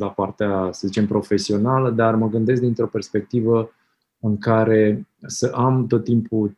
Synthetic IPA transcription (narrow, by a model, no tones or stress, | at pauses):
lapart̪easəzit͡ʃe̞mpɾo̞fe̞sio̞naləd̪arməɡɨnd̪es̬k̚d̪int̪ɾo̞pe̞rspe̞k̚t̪ivə | ɨŋkaɾe̞səʔamt̪o̞t̪ːimpʰu